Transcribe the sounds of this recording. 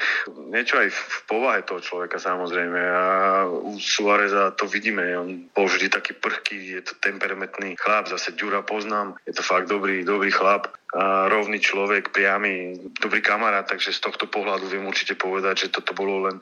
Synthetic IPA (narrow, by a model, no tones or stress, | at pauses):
ɲɪɛt͡ʃɔajfpɔʋaɦɛt̪ɔɦɔt͡ʃlɔʋɛkasamɔzɾɛjmɛausuaɾɛzat̪ɔʋiɟiːmɛɔnbɔlvʒd̪it̪akiːpr̩xkijɛt̪ɔ̥t̪ɛmpɛɾamɛt̪nixlabzasɛɟuɾapɔznaːmjɛt̪ɔfaɡ̚d̪ɔbɾiːd̪ɔbɾiːxlapɾɔʊniːt͡ʃlɔʋɛkpɾɪamid̪ɔbɾiːkamaɾaːt̪̚t̪ːaɡʒɛst̪ɔxt̪ɔpɔɦlad̪uʋɪɛmuɾt͡ʃi̥cɛpɔʋɛd̪aɟʒɛt̪ɔt̪ɔbɔlɔlɛn